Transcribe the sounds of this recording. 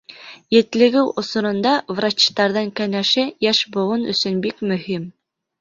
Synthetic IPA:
jɘ̆t̪lɘ̆ɡɘwʔŏsŏɾɤ̆nd̪ɑvrat͡ɕt̪ɑɾðɤɴkænæʃɘjæʃbŏwɤnɵ̰̆sɵnbikmɵ̆him

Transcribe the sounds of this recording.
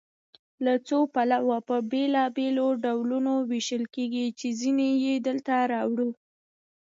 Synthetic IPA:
lat͡sopalawapəbelɑbeloɖawlunoweʃəlkeɡit͡ʃezinejed̪əlt̪aɾɑwɽu

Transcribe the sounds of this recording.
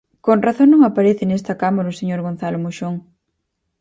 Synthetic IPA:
konraθoŋnõŋapaɾeθɪnest̪akamoɾoʊseɲoɾɣon̟θalomuʃoŋ

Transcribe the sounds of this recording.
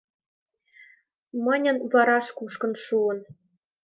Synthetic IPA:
mə̆nʲɤ̆nvɑɾɑʃkuʃkɤ̆nʃuɤ̆n

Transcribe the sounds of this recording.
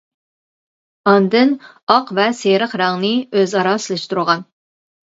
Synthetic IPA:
ɑnd̪ɨn | ɑqvɛseɾəqɾɑŋnɨøzɑɾɑsɨlˠɪʃt̪uɾʁɑn

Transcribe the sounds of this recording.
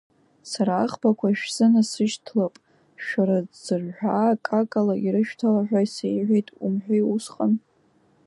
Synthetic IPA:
saɾaːχbakʷʰaʃᶣz̥ɨnasɨʃtʰlapʼ | ʃᶣaɾaz̥ɨrħʷᶣakʼakʼalaʔiɾɨʃᶣtʰalaħᶣʷaisejʕʷejtʼumħᶣʷejusqʼan

